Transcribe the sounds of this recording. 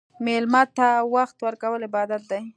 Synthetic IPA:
melmɑt̪ːawaxt̪wəɾkawəlɪbɑd̪at̪̚d̪aj

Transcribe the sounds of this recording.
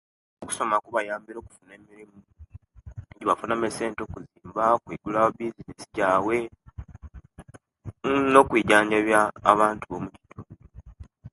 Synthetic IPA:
oku̥so̞makuβajaːmbiɾo̞ːku̥fune̞ːmiɾimu | eɟiβafunamese̞ːnto̞ːkuziːmbakwiɡulawabizinesiɟaːwe̞ | no̞kwiːɟaːɲɟaβja̰ːβaːntuβo̞muci̥tuːndo

